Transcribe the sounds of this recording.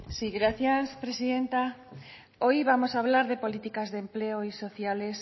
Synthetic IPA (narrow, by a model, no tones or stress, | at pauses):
siɣɾaθjaspɾesiðent̪a | ojβamosaβlaɾðepolit̪ikazðempleoisoθjales